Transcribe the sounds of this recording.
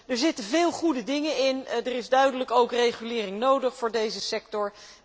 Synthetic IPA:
dəɹzɪtəvɪːlˠχudədɪŋənɪndərɪzdœɥdələkowkrejχylɪːrɪŋnowdəχfʊːɹdejzəsɛktɔɹ

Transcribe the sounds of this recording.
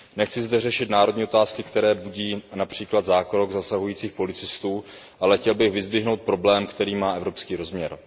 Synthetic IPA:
nɛxt͡sɪzd̪ɛrɛʃɪt̪naːɾodɲiːo̞t̪aːskɪkt̪ɛɾɛːbuɟiːnapr̝̥iːklad̪zaːkɾoɡzasaɦujiːt͡siːxpo̞lɪt͡sɪst̪uːʔalɛxcɛlbɪɣvɪzbɪɦno̞wt̪̚pɾo̞blɛːmkt̪ɛɾiːmaːʔɛvɾo̞pskiːɾo̞zmɲɛɾ

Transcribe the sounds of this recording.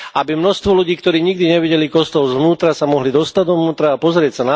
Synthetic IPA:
abimnɔst̪ʋɔluɟiːkt̪ɔɾiːɲiɡd̪iɲɛʋiɟɛlikɔst̪ɔlzʋnuːt̪ɾasamɔɦlid̪ɔst̪ad̪ɔʋnuːt̪ɾaːpɔzɾɪɛcsana

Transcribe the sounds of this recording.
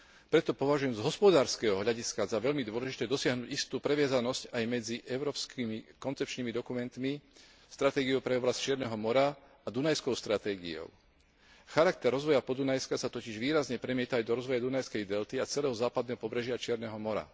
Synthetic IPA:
pɾɛt̪ɔpɔʋaʒujɛmzɦɔspɔd̪aːɾskɛːɦɔɦʎaɟiskazaʋɛʎmid̪ʋɔlɛʒit̪ɛːd̪ɔsɪaɦnuːɟist̪uːpɾɛʋɪazanɔscajmɛd͡ziʔɛʊɾɔːpskʰimikɔnt͡sɛpt͡ʃniːmid̪ɔkumɛnt̪mi | st̪ɾat̪ɛːɡiɔʊpɾɛɔblasct͡ʃɪɛɾnɛɦɔmɔɾa | ad̪unajskɔʊst̪ɾat̪ɛːɡḭɔ̰ʊ | xaɾak̚t̪ɛɾːɔzʋɔjapɔd̪unajskasat̪ɔciʒʋiːɾazɲɛpɾɛmɪɛt̪aajd̪ɔɾɔzʋɔjad̪unajskɛjd̪ɛlt̪iat͡sɛlɛːɦɔzaːpad̪nɛːɦɔpɔbɾɛʒɪat͡ʃɪɛɾnɛɦɔmɔɾa̰

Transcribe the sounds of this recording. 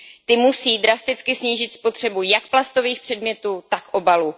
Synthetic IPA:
t̪ɪmusiːd̪ɾast̪ɪt͡skɪsɲiːʒɪt̪spo̞t̪r̝̥ɛbujak̚plast̪o̞viːxpr̥ɛdmɲɛt̪uːt̪akʔo̞balu

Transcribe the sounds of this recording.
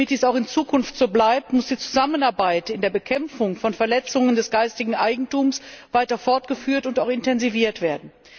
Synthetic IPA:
mɪt̚d̥iːsaʊxɪnt͡suːkʰʊnftz̥oːblaɪp̚tmʊsd̥iːt͡su̥zamənaɐbaɪtɪndeːɐbəkʰɛmfʊŋfɔnfɛɐlɛt͡sʊŋəndɛsɡ̥aɪstɪɡŋ̩ʔaɪɡŋ̩tuːmsv̥aɪtɐfɔɐtɡ̥əfyːɐtʊntaʊxɪntʰɛnziviːɐtv̥eːɐdn̩

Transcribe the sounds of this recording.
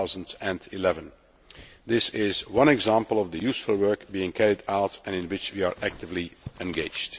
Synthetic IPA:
zə̃ntsɛ̃ndilɛvə̃n | d̪ɪsɪzwʌ̃nɛɡzæ̃mpəlˠɔvd̪əjusfʊlˠwɜ˞kbiɪ̃ŋkʰæɹidaʊtɛ̃nɪ̃nwɪt͡ʃwiaɹʔæk̚tɪvliɛ̃nɡeɪd͡ʒd

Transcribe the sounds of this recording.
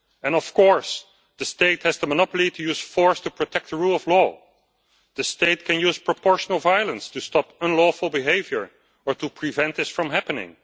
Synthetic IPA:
ɛ̃nɔfkɔɹs | ðəsteɪthɨzðəmənɑpl̩ˠitʰujuːz̥fɔɹstupɹotʰɛk̚t̪̚əɹuːlˠɔvlɔ | ðɨsteɪt̚kʰɨ̃njuːz̥pɹɔpɔɹʃənəl̩ˠvajlˠə̃nstustɑpə̃nlɔfəl̩ˠbiɦeɪvjə˞ | ə˞tupʰɹivɛ̃ntɪsfɹʌ̃mɦæpənɪ̰̃ŋ

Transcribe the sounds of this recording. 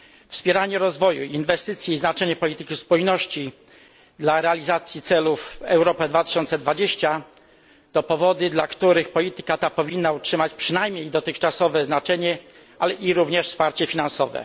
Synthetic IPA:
fspʲjɛɾaɲɛɾɔzvɔjuinvɛst̪ɘt̪sʲjɛiznat͡ʂɛɲɛpɔlʲit̪ɘkʲispujnɔɕt͡ɕi | d̪laɾɛalʲizat̪sʲjit̪sɛlufɛ̰wɾɔpɛd̪vat̪ɘ̥ɕɔnt̪sɛd̪vad͡ʑeɕt͡ɕa | t̪ɔpɔvɔd̪ɘd̪lakt̪uɾɘxpɔlʲit̪ɘ̥kat̪apɔvʲinːautʂɘmat͡ɕpʂɘnajmɲejd̪ɔt̪ɘxt͡ʂasɔvɛznat͡ʂɛɲɛ | alɛʔiɾuvɲɛʂfspaɾt͡ɕɛfʲinansɔvɛ̰

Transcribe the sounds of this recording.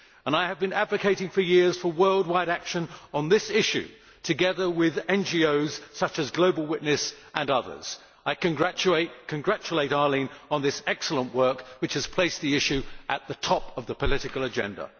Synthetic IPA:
ə̃naɪɨvbɨ̃nædvɨkʰeɪɾɪ̃ŋfə˞jɪɹz̥fə˞wɜ˞lˠd̚waɪɾækʃɨ̃nə̃nðɪsɪʃʉ̰ | tʰɨɡɛðə˞wɪðɛ̃nd͡ʒioʊz̥sʌt͡ʃɨzɡloʊbəl̩ˠwɪʔⁿnɨsʔə̃nʌðə̰˞z̥ | aɪkɨ̃nɡɹæt͡ʃeɪt̚kʰɨ̃nɡɹæt͡ʃəleɪɾɑɹlĩnə̃nðɪsɛksl̩ˠə̃nʔwɜ˞kwɨt͡ʃhɨz̥pʰl̥eɪsðiɪʃʉʔɨt̪̚ðɨtʰɒpʌvðəpʰəlɪɾɨkəl̩ˠəd͡ʒɛ̰̃ndə̰

